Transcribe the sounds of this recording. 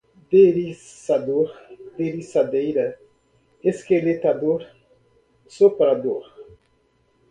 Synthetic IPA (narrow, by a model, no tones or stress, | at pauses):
d̪eɾisad̪oɾd̪eɾisad̪ejɾɐ | eskelet̪ad̪oɾ | sopɾad̪oɾ